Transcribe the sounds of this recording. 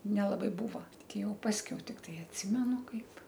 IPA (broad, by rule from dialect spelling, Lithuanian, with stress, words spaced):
nʲɛlˠɐˈbɐɪ ˈbuːʋɐ ˈtʲɪ ˈjɛʊ ˈpɑːsʲkʲɛʊ ˈtʲɪktɐɪ ɐtʲˈsʲɪmʲɛnʊ ˈkɐɪp